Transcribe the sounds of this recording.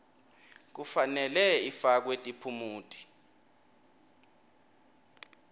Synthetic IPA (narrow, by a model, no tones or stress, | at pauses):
k̬ufanɛlɛifak̬wetʼipʰumuːtʰʼi̥